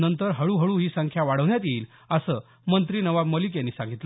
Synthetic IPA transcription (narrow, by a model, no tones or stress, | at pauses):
nənt̪əɾɦəɭuːɦəɭuːɦiːsəŋkʰjaʋaɽ̤əʋnjat̪iːl | əsəː | mənt̪ɾiːnəʋabməlik̬janːiːsãŋɡʱit̪lə